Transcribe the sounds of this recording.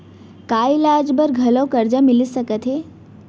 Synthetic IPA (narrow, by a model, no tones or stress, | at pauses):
kaːilad͡ʒbəɾɡʱɐlokəɾd͡ʒəmilisəkət̪ɦe